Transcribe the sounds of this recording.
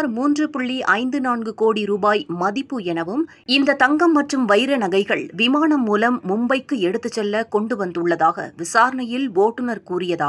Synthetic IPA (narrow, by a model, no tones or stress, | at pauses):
ɾmuːndrɯpʊɭːiʔɐɪnd̪ɯnaːnɡɯkoːɽiɾuːbaːjmɐðɪpːɯɛnɐʋɯm | ɪnd̪ɐt̪ɐŋɡɐmːɐʈrɯmʋɐɪɾɐnɐɣɐɪɣɐɭʋɪmaːɳɐmːuːlɐmːʊmbɐɪkːɯɛɽɯt̪ːɯt͡ʃːɛlːɐkɔɳɖɯʋɐnd̪ɯɭːɐðaːɣɐ̰ʋɪsaːɾɐɳɐjɪlʋoːʈːɯnɐɾkuːɾɪjɐðaːɣɐɐ